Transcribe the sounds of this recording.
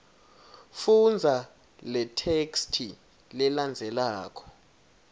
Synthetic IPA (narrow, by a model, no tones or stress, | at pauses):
fund͡zʱa | lɛtʰekstʰi | lɛland͡zʱɛlaːkʰɔ̥